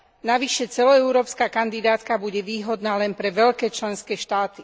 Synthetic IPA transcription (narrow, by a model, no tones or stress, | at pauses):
naʋiʃɛt͡sɛlɔɛʊɾɔːpskaːkand̪id̪aːt̪kabuɟɛʋiːɦɔd̪naːlɛnpɾɛʋɛʎkɛːt͡ʃlɛnskɛːʃt̪aːt̪i